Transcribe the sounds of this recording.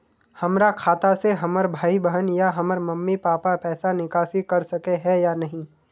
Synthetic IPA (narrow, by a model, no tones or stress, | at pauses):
hɐmɾakʰaːt̪aseɦɐməɾbʱaːibəɦənjaɦɐməɾmɐmːipaːpapɛːsanɪkaːsikɐɾsɐkeɦɛjanɐɦĩː